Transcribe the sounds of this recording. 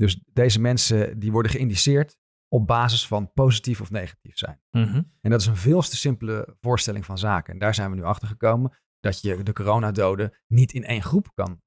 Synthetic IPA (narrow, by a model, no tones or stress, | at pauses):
dɵsdejzəmɛnsədiʋɔɹdəχəɪndisɪːɹt | ɔb̚baːzəsfɑnpowzitifɔfnejχḁtifsɛ̰jnɛndɑtɪsənvɪːlˠstəsɪmpələvʊːɹstɛlɪŋvɑnzaːkə̰ndaːɹzɛjnʋənyɑχtəɹχəkowmən | d̥ɑtjədəkorownaːdowdə | nitɪnḛjnχrupkɑ̰n